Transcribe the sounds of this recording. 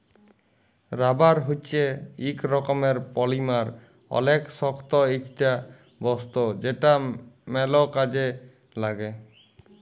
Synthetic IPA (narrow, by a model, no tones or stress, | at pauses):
ɾabaɾɦut͡ʃʰeikɾɔkɔmeɾpɔlimaɾ | ɔ̰leksɔkt̪ɔikʈa | bɔst̪od͡ʒeʈamɛlɔkad͡ʑe | laɡe